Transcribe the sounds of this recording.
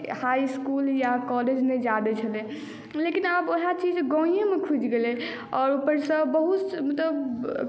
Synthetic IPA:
hajskuljakɔled͡ʒned͡ʒad̪et͡ʃʰəlɛẽ | lekinaboɦat͡ʃid͡ʒɡɔ̃ĩjemekʰud͡ʒɡelɛ | ɔːɾupəɾsə̃bəɦut̪mət̪ləb

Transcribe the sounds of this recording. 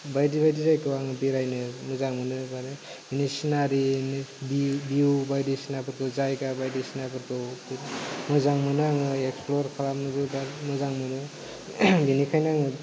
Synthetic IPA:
bajdibajdizajkɯwaŋɯbiɾajnɯmɯzaŋmɯnɯbaɾe | binisinaɾinbibiubajdisinabɯɾkɯzajɡabajdisinabɯɾkɯbmɯzaŋmɯnɯŋɯeksploɾkʰalamnɯbɯbaɾmɯzaŋmɯnɯ | binikʰajnaŋɯ

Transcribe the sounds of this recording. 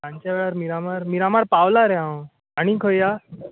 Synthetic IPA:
ãɲt͡ɕjaʋɛɭaɾmiɾamaɾmiɾamaɾpawlaɾjã | aɽ̃ikʰəjja

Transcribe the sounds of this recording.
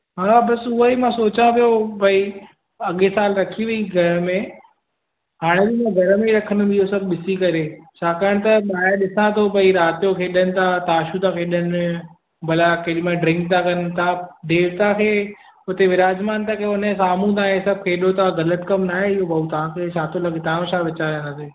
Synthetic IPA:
ɦaːbɐsʊɦəimãsoːt͡ɕãpijobʱɐi | ɐɠesaːlɾɐkʰiʋiiɡʱɐɾmẽ | ɦaːɽ̃ed͡ʑimãɡʱɐɾmẽɾɐkʰənʊ̆mɪɦosɐb̚ʱɓɪsikɐɾet͡ɕʰaːkaːəɽ̃t̪ɐɓaːɗɪsãt̪ʰobʱɐiɾaːt̪ijokʰeːɗənɪ̆t̪ʰat̪aːʃut̪ʰakʰeːɗənɪ | bɐlakeːɗimẽɖɾɪ̃ŋk̚t̪ʰakɐnt̪ʰaɖeːʋt̪akʰeː | ʊt̪eʋɪɾaːd͡ʒmaːnt̪akʰeʊnəsaːmũt̪aːɦesɐb̚ʱkʰeːɗot̪aɣɐlət̪kɐmnaːɦeɪɦobɐut̪ɐʋ̤ãkʰeːt͡ʃʰaːt̪ʰolɐɡet̪aʋãt͡ɕʰaːʋɪt͡ɕaɾnaseː

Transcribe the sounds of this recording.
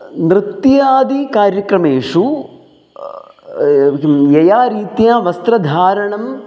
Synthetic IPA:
nɾɨt̪jaːd̪ikaːɾjɐkɾɐmeːʂu | jejaːɾiːt̪jaːʋɐst̪ɾɐd̪ʱaːɾɐɳɐm

